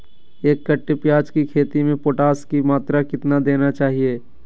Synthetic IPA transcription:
eːkːəʈːepjaːd͡ʒkikʰeːt̪imẽpoːʈaːskimaːt̪ɾakɪt̪nad̪eːnat͡ʃaːɦieː

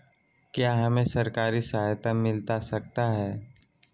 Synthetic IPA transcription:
kjaːɦɐmẽsɐɾkaːɾisɐɦajt̪amɪlt̪asɐk̚t̪aɦɛː

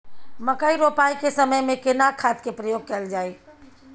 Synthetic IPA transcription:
məkaiɾoːpaːikesəməjmẽkɪnakʰaːt̪kepɾəjoːɡ̚kɐld͡ʒaːeː

